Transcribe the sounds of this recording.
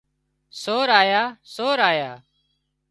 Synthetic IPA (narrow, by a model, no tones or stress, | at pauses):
soːɾaːjaːsoːɾaːjaː